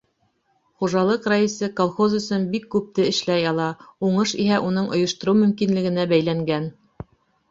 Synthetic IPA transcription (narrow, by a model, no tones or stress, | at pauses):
χuʒɑlˠɤqraisɤkolˠχozɵ̆sɵnbikːʉp̚t̪ɘɘ̆ʃlæjɑlˠɑuɴɤʃiɦæʔunɤɴʔŏ̰jŏʃt̪ŏɾuwmɵ̆mkinlɘ̆ɡɘ̆næbæjlæŋɡæn